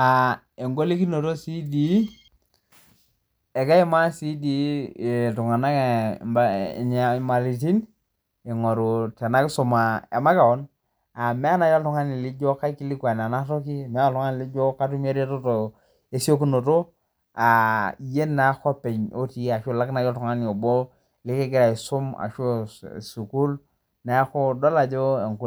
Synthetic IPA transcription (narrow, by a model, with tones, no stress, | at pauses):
a˨ | e˨ŋɡo˦li˦ki˦no˨to˦si˦di˨˦ | ɛ˨ka˦ɪ˦ma˦si˦di˨˦˨tu˨ŋa˨na˦kba̰˨ɲa˨ma˨li˨ti˦n | e˨ŋɔ˨ɾo˨tɛ˨na˦ksʊ˨ma˨a̰˨ma˦ka˨ɔ˦n | a˨mɛ˦a˦na˨˦jɔ˦ltɔ˨˦ŋa˦ni˨li˦d͡ʒo˦ka˦ki˦li˦kwa˨n˨a˨na˦to˦ki˦˨mɛ˦ɔ˦ltu˦ŋa˦ni˨li˦d͡ʒo˦ka˦t̬u˦me˦ɾe˦to˦to˨ | e˦si˦o˦ku˦no˨to˦ | a˨je˦nnːa˨˦xɔ˦pe˨ɲo˦ti˨a˨ʃo˦˨la˦kna˨jɔ˦ltɔ˨ŋa˦ni˨o˨bo˦ | lɪ˦ke˦ɡɪ˦ɾa˨i˨su˦ma̰˨ʃo˦su˨ku˦l | na˨˦ko˦dɔ˦la˨d͡ʒo˦e˨ŋku˨